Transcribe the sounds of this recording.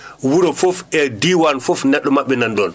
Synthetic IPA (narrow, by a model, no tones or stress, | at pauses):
wuɾɔfofɛdiwanfofnɛɗːɔmaɓːɛnandɔn